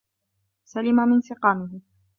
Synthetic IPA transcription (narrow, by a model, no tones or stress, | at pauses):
salɪmamɪnsɪqɑːmɪɦɪ